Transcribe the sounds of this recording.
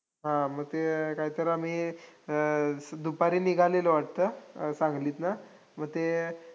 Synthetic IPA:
ɦãməɡ̚t̪ekaɦiːt̪əɾam̤i | d̪upaɾiːniɡʱaleləʋaʈ̚t̪əsãŋɡliːt̪na | məɡ̚t̪e

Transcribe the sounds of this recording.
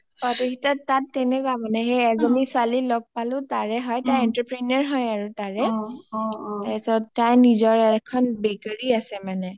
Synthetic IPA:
pɔtikʰitatːatːɛnɛkɔamanɛɦejɛzɔnisʊalilɔɡ̚palʊ̃taɹɛɦɔjtajɛntɹapɹinaɹɦɔjaɹutaɹɛ | ɛsɔtajnizɔɹɛkʰɔnbɛkaɹiasɛmanɛ

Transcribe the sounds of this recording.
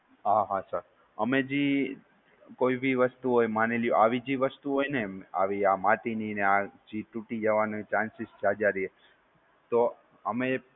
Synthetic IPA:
ɦaɦãsaɾ | əmed͡ʒi | koibiʋəst̪uɦojmaneljuʔaʋid͡ʒiʋəst̪uɦojnea̰ʋiamat̪ininead͡ʒiʈuʈid͡ʒəʋanut͡ʃãnsist͡ʃad͡ʒaɾiɦe | t̪o | əme

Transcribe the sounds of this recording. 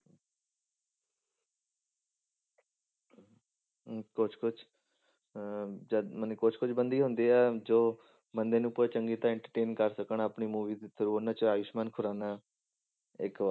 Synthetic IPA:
kʊt͡ʃʰkʊt͡ʃʰ | d͡ʒəmənkʊt͡ʃʰkʊt͡ʃʰbənd̪iːɦʊ̃nd̪iːɛːd͡ʒoː | bənd̪eːnũːpoːet͡ʃəŋɡiːt̪ãːɛ̃ɳʈəɾʈeːnkəɾsəkəɳaːpɳiːmuːʋiːd̪isʰəɾuːoːnãːt͡ʃəaːʋɪʃmaːnkʰʊɾaːnaː | ɪk

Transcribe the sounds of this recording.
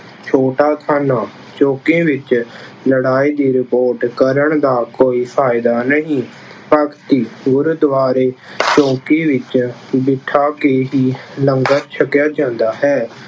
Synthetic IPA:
t͡ʃʰoːʈaːt̪ʰaːnaː | t͡ʃõːkẽːʋɪt͡ʃ | ləɽaːiːd̪iːɾɪpoːɾʈkəɾəɳd̪aːkoːiːpʰaːɪd̪aːnəɦĩː | pəkʰt̪iːɡʊɾʊd̪ʋaːɾeːt͡ʃɔ̃ːkiːʋɪt͡ʃbɪʈʰːaːkeːɦiːləŋɡəɾt͡ʃʰəkːjaːd͡ʒãːnd̪aːɦɛː

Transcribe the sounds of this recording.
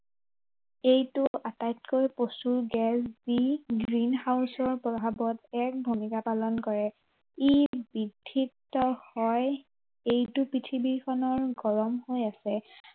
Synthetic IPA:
ejtʊʔatajt̚kojposuɹɡɛsz̥iɡɹinɦawsɔɹpɔbʱabɔtɛk̚bʱumikapalɔnkɔɹɛ | ibidʱːitːɔhɔj | ejtʊpitʰibikʰɔnɔɹɡɔɹɔmhojasɛ

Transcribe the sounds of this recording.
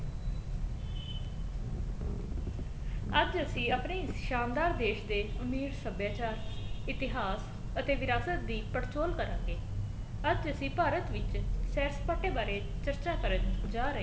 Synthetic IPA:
əd͡ʒəsĩːaːpneːʃaːnd̪aːɾd̪eːʃd̪eːʊmiːɽsəbjaːt͡ʃaːɾɪt̪ɪɦaːs | ət̪eːʋɪɾaːsət̪̚d̪iːpəɽt͡ʃoːlkəɾã̰ːŋɡeː | əd͡ʒəsĩːpaːɾət̪ʋɪt͡ʃsɛːɾspaːʈeːbaːɾeːt͡ʃəɾt͡ʃaːkəɾənd͡ʒaːɾə

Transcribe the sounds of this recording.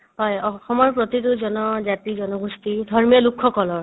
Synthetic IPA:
ɦɔjɔxɔmɔɹpɹɔt̪ituzɔnɔzat̪izɔnɔɡust̪id̪ʱɔɹmijɔlukʰːɔkɔlɔɹ

